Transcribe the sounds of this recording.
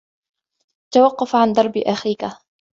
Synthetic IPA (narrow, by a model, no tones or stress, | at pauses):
t̪awɑqːɑfʕand̪ˤɑɾˤbʔaxiːka